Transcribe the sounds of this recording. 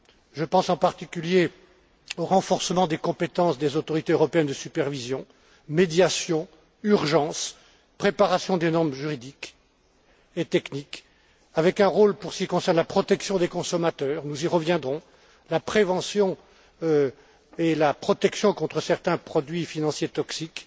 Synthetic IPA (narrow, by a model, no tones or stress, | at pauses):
ʒəpɑ̃sɑ̃paʁt̪ikʲylje | oʁɑ̃fɔʁsəmɑ̃d̪ekɔ̃pet̪ɑ̃sd̪ezot̪ɔʁit̪eøʁɔpeɛnd̪əsypɛʁvizjɔ̃ | med̪jasjɔ̃ | yʁʒɑ̃s | pχepaʁasjɔ̃d̪enɔʁmʒyʁid̪ik | et̪ɛknik | avɛkɛ̃ʁolpuʁsə̥kʲikɔ̃sɛʁnlapχɔt̪ɛksjɔ̃d̪ekɔ̃sɔmat̪œːʁnuziʁəvjɛ̃d̪ʁɔ̃ | lapχevɑ̃sjɔ̃ | ø | elapχɔt̪ɛksjɔ̃kɔ̃t̪χəsɛʁt̪ɛ̃pχɔd̪ɥifinɑ̃sjet̪ɔksik